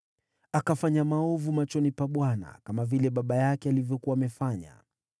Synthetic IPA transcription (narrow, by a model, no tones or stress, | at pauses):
akafaɲamaɔvumat͡ʃɔnipaɓwana̰kamavilɛɓaɓajakɛalivjɔkuwaːmɛfaɲa̰